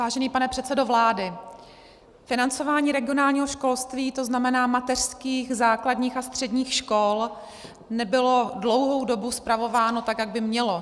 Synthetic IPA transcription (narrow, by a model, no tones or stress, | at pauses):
vaːʒɛniːpanɛpr̝̥ɛt̪sɛdo̞vlaːdɪ | fɪnant͡so̞vaːɲiːɾɛɡɪonaːlɲiːɦo̞ʃko̞lst̪viːt̪o̞znamɛnaːmat̪ɛr̥skiːxzaːkladɲiːxast̪r̝̥ɛdɲiːxʃko̞l | nɛbɪlo̞dlo̞wɦo̞wdo̞buspɾavo̞vaːno̞t̪akjaɡ̚bɪmɲɛlo